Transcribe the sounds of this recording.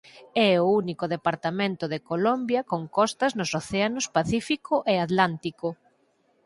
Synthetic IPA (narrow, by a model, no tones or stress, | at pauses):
ɛounikʊðepaɾt̪amẽnt̪ʊðekolɔmbjɐkoŋkɔst̪ɐznʊsoθeanʊspaθifikʊʔeat̪lant̪ikʊ